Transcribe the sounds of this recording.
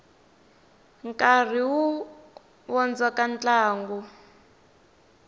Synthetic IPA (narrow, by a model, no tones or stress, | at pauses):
ŋkar̤iwu | wɔnd͡zakant͡ɬaːŋɡu